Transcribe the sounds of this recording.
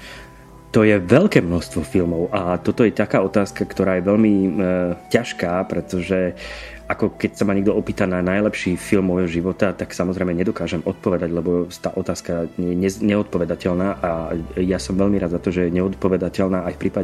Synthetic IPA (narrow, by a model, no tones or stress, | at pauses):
t̪ɔjɛʋɛlkɛːmnɔst̪ʋɔfilmɔʊʔat̪ɔt̪ɔjɛt̪akaːɔt̪aːskakt̪ɔɾaːjɛʋɛʎmi | caʃkaːpɾɛt̪ɔʒɛ | akɔkɛcsamaɲɛɡ̚d̪ɔɔpiːt̪ananajlɛpʃiːfilmːɔjɦɔʒiʋɔt̪at̪aksamɔzɾɛɪmɛɲɛd̪ɔkaːʒɛmɔt̪̚pɔʋɛd̪aɟlɛbɔt̪aːʔɔt̪aːskaɲjɛɲɛɲɛɔt̪̚pɔʋɛd̪acɛʎnaːʔajasɔmʋɛʎmiɾaːd̪zat̪ɔʒɛjɛɲɛɔt̪̚pɔʋɛd̪acɛlnaːajfpɾiːpa